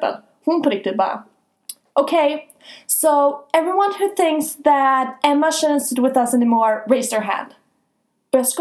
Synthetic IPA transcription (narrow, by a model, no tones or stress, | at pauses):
bə̰̃n | hũnpʰəɾɪk̚tɨd̚ba̰ | ʔoʊkʰeɪ | soʊɛvɹiwʌ̃nhʉθɪ̃ŋksðæɾɛ̃məʃɨɾɨ̃nsɨd̚wɨðʌsɛnimɔɹɹeɪzə˞ɦæ̰̃nd̥ | b̥ʌsk